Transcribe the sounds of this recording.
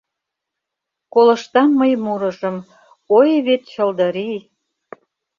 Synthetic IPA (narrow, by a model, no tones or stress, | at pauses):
kolə̆ʃt̪ɑnməjmuɾə̆ʒə̆m | ojβet̪t͡ɕəld̪ə̆ɾi